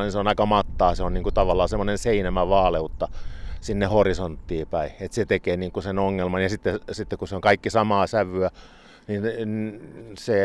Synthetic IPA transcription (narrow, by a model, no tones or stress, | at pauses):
niseonɑikɑmɑt̪ːɑːseonniːŋkut̪ɑʋɑlːɑːsemːˑonenseinæmæʋɑːleut̪ːɑsinːehorisont̪ːiːpæiet̪set̪ekeːniːŋkusenoŋːelmɑnjɑsit̪ːesit̪ːekuseoŋkɑikːisɑmɑːsæʋyæ | ninnse